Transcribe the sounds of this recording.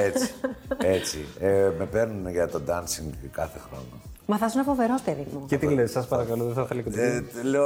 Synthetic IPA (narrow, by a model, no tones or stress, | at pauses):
et͡si̥et͡sieme̞peɾnunʝɐt̪o̞d̪ɐnsiŋɡkɐθexɾo̞̰no | mɐθɐsunɐpoveɾosteðimucet̪ilesɐspɐɾɐkɐloðeθɐθelɐket̪l